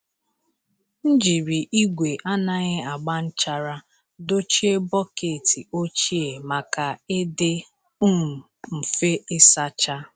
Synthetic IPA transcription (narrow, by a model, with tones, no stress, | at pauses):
n̩˦d͡ʒi˨ɾi˨ʔi˦ɡʷe˨ʔa˦na˨ɲɪ˦a˨ɡ͡ba˦n̩˦t͡ʃa˦ɾa˦ | do˦t͡ʃi˦e˦bɔ˦ke˨ti˨o˦t͡ʃi˦e˨ma˨ka˨ɪ˦dɪ˦ | u˦˨ | m̩˨fe˦ɪ˦sa˦t͡ʃa˦